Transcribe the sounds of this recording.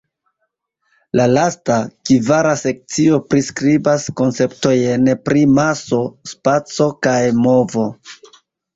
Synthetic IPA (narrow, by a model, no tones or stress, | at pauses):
lalastakivaɾase̞k̚t͡sio̞pɾiskɾibasko̞nt͡se̞pto̞jenpɾʔimaso̞spat͡so̞kajmo̞vo̞